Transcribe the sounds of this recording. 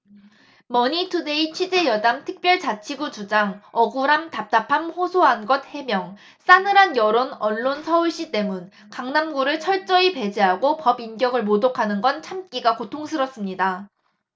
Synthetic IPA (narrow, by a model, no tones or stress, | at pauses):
mʌɲitʰude̞it͡ɕʰwid͡ʑe̞jʌdamtʰɯ̥k̚p͈jʌɭt͡ɕat͡ɕʰiɡut͡ɕud͡ʑaŋʌɡuɾamtap̚t͈apʰamhosʰoɦanɡʌt̚he̞mjʌŋ | s͈anɯɾanjʌɾonʌɭːonsʰʌuɭɕ͈it͈e̞mun | kaŋnamɡuɾɯɭt͡ɕʰʌɭt͡ɕ͈ʌipe̞d͡ʑeɦaɡopʌbinɡjʌɡɯɭmodokʰanɯnɡʌnt͡ɕʰamk͈iɡakotʰoŋsʰɯɾʌs͈ɯmɲida